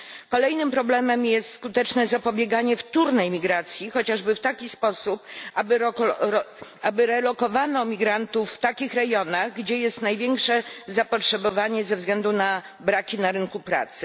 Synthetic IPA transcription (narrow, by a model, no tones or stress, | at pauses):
kɔlɛjnɘmpɾɔblɛmɛmjɛst̪skut̪ɛt͡ʂnɛzapɔbʲjeɡaɲɛft̪uɾnɛjmʲiɡɾat̪sʲjixɔt͡ɕaʐbɘft̪akʲispɔsup̚abɘɾɔ | abɘɾɛlɔkɔvanɔmʲiɡɾant̪ufːt̪akʲixɾɛɡjɔnaɣɡd͡ʑɛjɛst̪najvʲjɛŋkʂɛzapɔtʂɛbɔvaɲɛzɛvzɡlɛnd̪una | bɾakʲinaɾɘŋkupɾa̰t̪sɘ